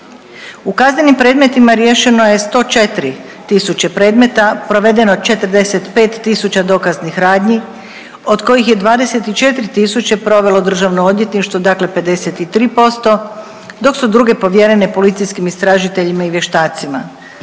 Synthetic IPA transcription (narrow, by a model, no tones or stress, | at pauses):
ukazɲe̞nimpɾed̪me̞t̪imaɾje̞ʃe̞no̞je̞st̪o̞ːt͡ʃe̞t̪ɾi | t̪isut͡ɕe̞pɾe̞ːd̪me̞t̪apɾo̞ʋe̞d̪e̞not͡ʃe̞t̪r̩d̪e̞se̞t̪pe̞ːt̪ːisut͡ɕad̪o̞kaznixɾaːd̪ɲi | o̞d̪ko̞jixje̞d̪ʋaːd̪e̞se̞t̪it͡ʃe̞t̪ɾit̪isut͡ɕe̞pɾo̞ʋe̞lo̞d̪r̩ʒaʋnoo̞d̪je̞t̪niʃt̪ʋod̪akle̞pe̞d̪e̞se̞t̪it̪ɾiːpo̞st̪o̞ | d̪o̞ksud̪ɾuɡe̞po̞ʋjeɾe̞ne̞po̞lit̪sijskimist̪ɾaːʒit̪eʎimaiʋje̞ʃt̪aːt̪sima